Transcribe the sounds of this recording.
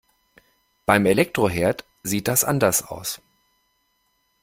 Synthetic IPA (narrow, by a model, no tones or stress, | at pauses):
b̥aɪmelɛk̚tʁ̥oɦeːɐt | z̥iːt̚d̥asʔa̰ndɐsa̰ʊs